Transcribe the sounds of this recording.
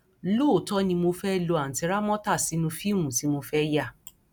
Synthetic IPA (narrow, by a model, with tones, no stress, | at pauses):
lo˦˨tɔ˦nĩ˧mo˧fɛ˦˨lo˧a˨n̩˨ti˨˧˦ɾa˦mɔ̃˦ta˦˨si˨˦nũ˧fi˦˨mũ˨ti˨˦mo˧fɛ˦ja˦˨